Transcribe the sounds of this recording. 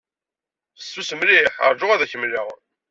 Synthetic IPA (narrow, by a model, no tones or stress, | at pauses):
θəsːusəmliħə̰ɾˤʒʊʁæðæçəmliʁ